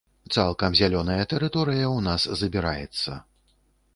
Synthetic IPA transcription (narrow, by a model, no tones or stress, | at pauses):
t̪salˠkɐmzʲalʲɔnɐjɐt̪ɛɾɨt̪ɔɾɨjɐwnaszɐbʲiɾa̰jɛ̰t̪sːɐ̰